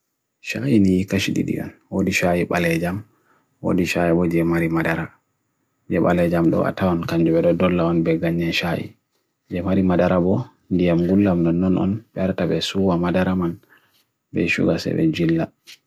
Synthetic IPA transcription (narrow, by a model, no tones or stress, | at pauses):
ʃajinijikaʃiɗḭɗḭʔɔ̰nwodiʃajiɓalɛd͡ʒam | wo̰diʃajiɓɔd͡ʒɛmaɾimadaɾa | d͡ʒɛɓalɛd͡ʒamɗɔ̰a̰tawankaɲd͡ʒuɓɛɗɔdɔlːaɔnbɛɡaɲːɛʃajḭ | d͡ʒɛmaɾimadaɾabɔ | ndijamɡulːamnɔnːɔnɔ̰nɓɛɾtabɛsuwamadaɾaman | bɛ̰ʃṵɡasɛ̰ɓɛ̰d͡ʒilːa